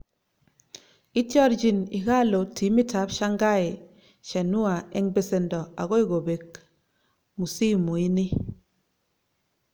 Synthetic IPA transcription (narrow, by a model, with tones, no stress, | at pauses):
i˦tjɔ˦ɾd͡ʒi˨ni˨ɣa˦lo˨ti˨˦mi˦ta˨˦pʃa˦ŋɡa˦e˨ | ʃɛ˨nu˦a˨ɛ˦ŋbe˦˨se˨ndɔ˨a˨ɣo˦i˦ɡo˨be˨k | mu˨si˦mu˨i˦ni˦